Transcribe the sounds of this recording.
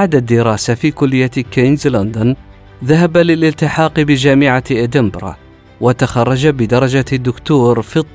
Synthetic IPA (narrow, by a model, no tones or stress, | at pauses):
baʕd̪ad̪ːɪɾɑːsafiːkʊlːɪjːakinzlʊnd̪ʊn | ðaɦabalɪlɪlt̪ɪħɑːqbɪd͡ʒaːmɪʕaʔad̪ɪmbɾˤɑ̰ | wat̪axɑrˤːɑd͡ʒabɪd̪ɑɾˤɑd͡ʒad̪ːʊkt̪uːɾfit̪ˤː